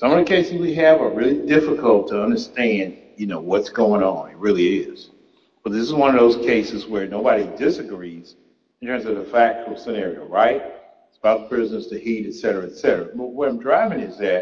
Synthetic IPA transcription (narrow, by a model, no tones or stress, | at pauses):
sʌ̃mʌvðɨkʰeɪsɨzwiɨvə˞ɹɪlˠidɪfəkʰəl̩ˠtʰəʌ̃ndə˞stæ̃nd | jɨnoʊwʌtsɡ̥oʊɪ̃ŋə̃nɨt̚ɹɪlˠiɪz̥ | b̥ʌt̪̚ðɪsəzwʌ̃nʌvðoʊz̥kʰeɪsɨzwə˞noʊbɑɾidɪsɨɡɹiz̥ | n̩tʰɜ̃˞mzʌvðɨfæk̚t͡ʃə˞l̩ˠsɨnɛɹio̰ʊɹaɪt̚ | spaʊθpʰɹ̥ɪznɨstʰɨhiɾɨtsɛɾə˞ɨɨtsɛɾə˞əbʌt̚wəɾãɪ̃mdɹaɪvɪ̃ŋɨzðɨt̚